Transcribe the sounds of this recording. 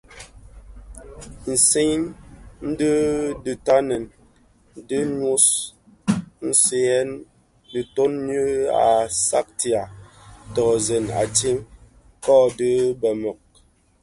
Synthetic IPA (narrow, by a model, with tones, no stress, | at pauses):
n̩˨se˦nn̩˦də˦dɨ˨ta˦nə˨n˦ | də˦ɲu˦s | n̩˦se˨˦ɛ˦n | də˨to˦nːə˦a̰˨sa̰˦k̚ti˨a˨ | tɔ˨zɛ˨na̰˨ti˦m | kɔ˦də˦bə˨mɔ˨k̚